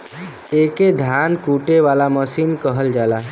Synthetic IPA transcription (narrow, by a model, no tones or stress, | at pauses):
eked̪ʱjankuʈeʋalaməsinkəɦəld͡ʒalaɦ